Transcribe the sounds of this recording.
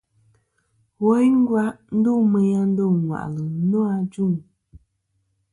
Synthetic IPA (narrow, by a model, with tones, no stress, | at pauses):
wo˨˦jŋ̩˦ɡwa˦ʔn̩˦du˦˨mə˨ja˦n̩˦do˦˨ŋ˨wa̰˨ʔlə˨˦no˦a˨d͡ʒu˦˨ŋ